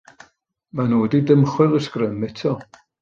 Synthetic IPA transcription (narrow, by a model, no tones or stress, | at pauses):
manoːdidəmχwɨlˠəskrəmːɪtʰɔ